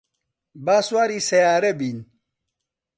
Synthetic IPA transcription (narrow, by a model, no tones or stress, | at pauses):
baswaɾisɛjaɾɛbin